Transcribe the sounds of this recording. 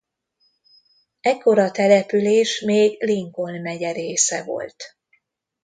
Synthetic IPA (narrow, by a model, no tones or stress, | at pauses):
ɛkːo̞ɾɒt̪ɛlɛpyleːʃmeːɡliŋko̞lmɛɟɛɾeːsɛvo̞̰lt̪